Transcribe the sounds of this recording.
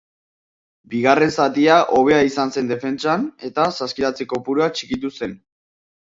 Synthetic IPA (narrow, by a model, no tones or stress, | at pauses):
biɣ̞are̞nsat̪iaʔo̞β̞e̞aisanse̞nd̪efe̞nt͡sane̞t̪asaskiɾat͡seko̞puɾuat͡ʃikit̪use̞n